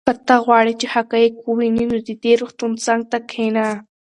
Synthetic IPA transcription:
əɾt̪aɣwɑɽit͡ʃehakajikuwininod̪əd̪eɾuxt̪unt͡saŋɡ̚t̪akʰena

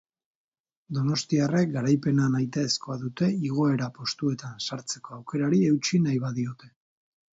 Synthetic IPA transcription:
d̪o̞no̞st̪iare̞k̚ɡaɾajpe̞nanajt̪aesko̞aðut̪e̞iɣ̞o̞e̞ɾapo̞st̪ue̞t̪ansaɾt͡se̞ko̞awke̞ɾaɾie̞wt͡ʃinajβaðio̞t̪e̞

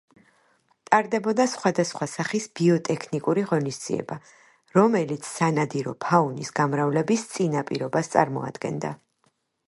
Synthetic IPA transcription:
t̪ʼaɾd̪ɛbɔd̪asχwad̪asχwasaχisb̥iɔt̪ʼɛkʰnikʼuɾiʁɔnisd̪z̥ḭɛ̰ba | ɾɔmɛlit̪sʰsanad̪iɾɔ̰pʰaunisɡamɾavlɛbist̪sʼinapʼiɾɔbast̪sʼa̰ɾmɔ̰a̰d̪ɡɛ̰nd̪a̰

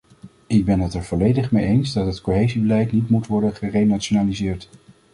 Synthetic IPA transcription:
ɪɡ̚bɛnɦətɛɹv̥ɔlejdəχmejejnzdɑtɦətkoɦejzibəlɛjtnitmutʋɔɹdənχərejnat͡ʃonaːlizɪːɹt

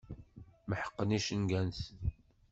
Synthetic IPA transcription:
məħə̥qːəniʃənɡænθən

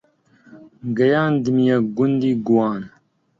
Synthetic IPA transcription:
ɡɐjaːnd̪imijaɡund̪iːɡuwaːn

